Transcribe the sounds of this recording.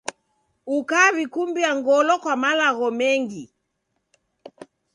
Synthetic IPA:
ukaβikumbiaŋɡɔlɔkwamalaɣɔmɛŋɡi

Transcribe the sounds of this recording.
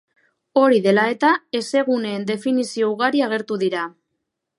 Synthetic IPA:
o̞ɾiðe̞lae̞t̪ae̞se̞ɣ̞une̞ːnd̪e̞finisio̞uɣaɾiaɣ̞e̞ɾt̪uðiɾa

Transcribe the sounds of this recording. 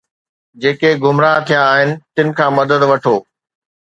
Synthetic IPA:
d͡ʑeːkeɡʱʊmɾaːt̪ʰijãːɦɪnɪ̆t̪ɪnɪ̆kʰãːmɐd̪əd̪ʋɐʈʰoː

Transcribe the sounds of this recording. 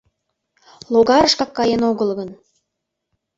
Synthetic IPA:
lˠoɡɑɾəʃkɑkːɑjənoɣə̆lˠɣə̆n

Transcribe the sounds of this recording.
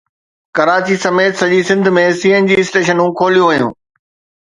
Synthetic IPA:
kɐɾaːt͡ɕisɐmeːt̪sɐʄisɪ̃nd̪ʱmẽsiːənd͡ʑiːɪsʈeːʃ̬ənũkʰoːlijũʋɐijṵ̃ː

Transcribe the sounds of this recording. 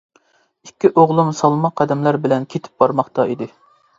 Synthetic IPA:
ikʲːiʔoʁlˠumsɑlˠmɑqʰːæd̪ɛmlæɾbɪlɛnkʲʰet̪ʰɪ̥p̚b̥ɑɾmɑχt̪ɑid̪ɪ

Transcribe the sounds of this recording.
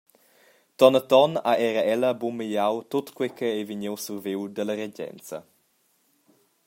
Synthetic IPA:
t̪ɔnət̪ɔnaʔɛɾəɛləbumijawt̪otkwɛkʰɛɛviɲewsuɾviwd̪ələɾeɟɛ̰nt͡sə̰

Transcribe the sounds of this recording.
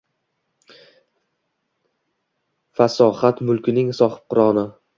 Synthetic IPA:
fasɒhat̪mʊlˠkʲɪnɪŋsɒhɪ̥p̚qʊɾɒnɪ

